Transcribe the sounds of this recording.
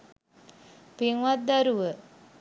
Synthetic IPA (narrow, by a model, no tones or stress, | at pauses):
piŋʋat̪̚d̪aɾuʋə